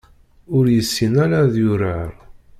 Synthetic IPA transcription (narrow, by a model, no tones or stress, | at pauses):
ʊɾjəsːinæɾaðjʊɾəɾ